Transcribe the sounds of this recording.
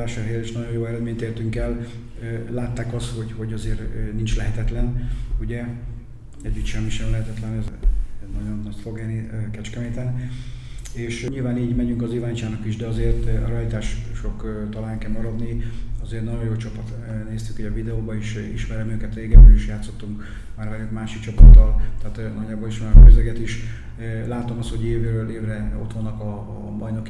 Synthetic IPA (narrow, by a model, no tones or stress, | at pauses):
aːʃɔɦeːliʃnɒɟo̞jjoːɛɾɛd̪meːɲt̪eːrt̪yŋkɛlː | aːt̪ːaːkɒst̪ho̞ɟho̞ɟɒzeːrnint͡ʃlɛɦɛt̪ɛt̪lɛnuɟɛ | ɛɟːyt̪ʃɛmːiʃɛmlɛɦɛt̪ɛt̪lɛnɛzɛnɒɟo̞nːɒco̞ɡɛlnikɛt͡ʃkɛmeːt̪ɛn | eːʃɲilvaːniːɟmɛɟyŋkɒzivaːɲt͡ʃaːnɒkiʒd̪ɛɒzeːrt̪ɾɒjt̪aːʃʃokt̪ɒlaːjŋkɛmɒɾɒd̪niɒzeːrt̪nɒɟojoːt͡ʃɒpɒt̪ | neːst̪y̥khoɟɒvid̪ɛoːbɒiʃ | ḭʃmɛɾɛmøːkɛt̪reːɡɛbɾøliʃjaːt̪sːo̞t̪ːuŋk | maːɾɛzeːt̪maːʃikt͡ʃɒpɒt̪ːɒlt̪ɛːt̪nɒɟːaːboliʃʋɔkøzɛɡɛt̪iʃ | laːt̪o̞mɒst̪ho̞ɟeːveɾøːleːvrɛo̞̰t̪ʋɒnːɒkɒ | bɒjno̞k